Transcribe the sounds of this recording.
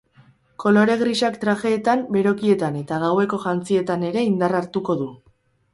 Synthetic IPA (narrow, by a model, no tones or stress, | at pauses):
ko̞lo̞ɾe̞ɣɾisakt̪ɾaʝe̞ːt̪ambe̞ɾo̞kie̞t̪ane̞t̪aɣawe̞ko̞ʝant͡sie̞t̪ane̞ɾe̞ind̪araɾt̪uko̞ðu